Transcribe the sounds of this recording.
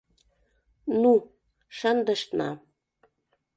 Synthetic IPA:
nu | ʃɑnd̪əʃt̪nɑ̰

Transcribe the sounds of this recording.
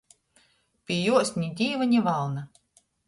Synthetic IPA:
pʲiɛjuɔsʲɲʲid̪ʲiːvanʲivalˠna

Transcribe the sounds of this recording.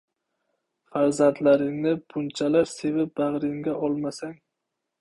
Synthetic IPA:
faɾzant̪ʰlaɾɪŋnɪbʊnt͡ʃʰalaɾse̞vɪp̚baʁɾɪŋɡʲaʔɒlˠmasaŋ

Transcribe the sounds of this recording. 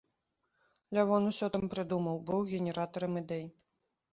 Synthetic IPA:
lʲavɔnusʲɔt̪ɐmpɾɨd̪umɐwbɨwɣʲɛnʲɛɾat̪ɐɾɐmɨd̪ɛj

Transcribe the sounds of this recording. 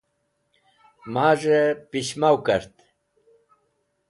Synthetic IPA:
maːʐepiɕmawkəɾt̪

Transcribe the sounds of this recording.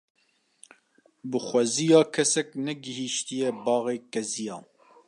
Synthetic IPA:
bɨxʷɛzijɑːkʰɛsɛknɛɡɪɦiːʃt̪ijɛbɑːɣeːkɛzijɑː

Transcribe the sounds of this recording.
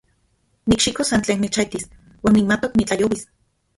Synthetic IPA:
nikʃikosant͡ɬeːnːet͡ʃajt̪is | waːnːimat̪oknit͡ɬajowis

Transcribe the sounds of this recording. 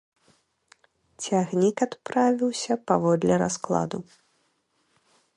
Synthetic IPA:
t͡sʲaɣnʲikat̪pɾavʲiwsʲɐpavɔd̪lʲɛɾa̰sklˠa̰d̪u

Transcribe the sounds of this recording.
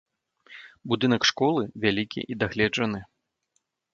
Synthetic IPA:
bud̪ɨnɐkʂkɔlˠɨvʲalʲikʲḭʔid̪aɣlʲɛd͡ʐɐnɨ

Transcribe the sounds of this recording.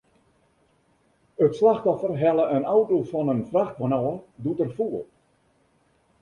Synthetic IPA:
ətslaxtɔfərɦɛlˠəʔənawtofɔnənfraxtʋanɔːdutərfuəl

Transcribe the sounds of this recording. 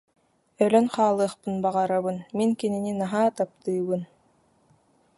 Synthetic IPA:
œlʲœnχɑːlˠɯχpɯnbaʁɑɾaβɯnmiŋkinininaɦaːt̪ap̚t̪ɯːβɯn

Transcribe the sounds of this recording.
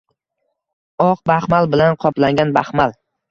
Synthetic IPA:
ɒq̚bahmalˠbɪlanqʰɒplaŋɡʲanbahmalˠ

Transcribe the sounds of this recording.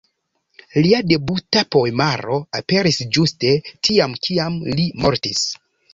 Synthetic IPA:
liade̞butapo̞emaɾo̞ape̞ɾisd͡ʒuste̞tʰiamkʰiamlimo̞ɾtis

